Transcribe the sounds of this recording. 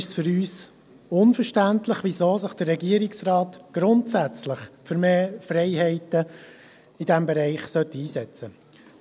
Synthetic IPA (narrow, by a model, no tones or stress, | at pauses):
ɪʃsfʏɾyːs | ʊnfəɾʃtæntləχʋizoːsəχd̥ərːɛɡiəɾɪksrɑːtɡ̥ɾʊntsæt͡slɪχfʏɾmeːfrɛɪɦɛɪtə | id̥ɛmbɛɾɛɪχsœtːiiːsɛt͡sə